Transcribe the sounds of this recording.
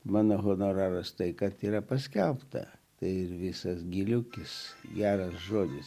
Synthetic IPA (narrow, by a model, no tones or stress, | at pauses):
mɑːnoːɣonoːɾɑːɾɐst̪ɐɪkɐt̪iːɾɐpɐsʲkʲɛlˠpt̪ɐ̰t̪ɐɪɪɾʋʲɪsɐsɡʲilʲʊkʲɪsɡʲæːɾɐsʒoːdʲɪs